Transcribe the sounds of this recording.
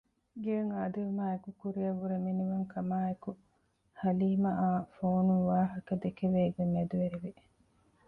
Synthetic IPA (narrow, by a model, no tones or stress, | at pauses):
ɡeɐŋaːd̪iumaːekukuɾijɐʋuɾeminiʋɐŋkʰɐmaːeku | hɐliːmɐʔaːfoːnuʋaːɦɐkɐd̪ekeʋeːɡeŋːed̪uʋeɾiʋi